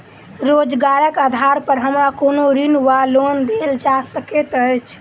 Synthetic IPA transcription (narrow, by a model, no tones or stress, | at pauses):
ɾod͡ʒɡaɾəkad̪ʱaɾpəɾɦəmɾakonoɾinuʋalond̪eld͡ʒasəket̪ət͡ʃʰ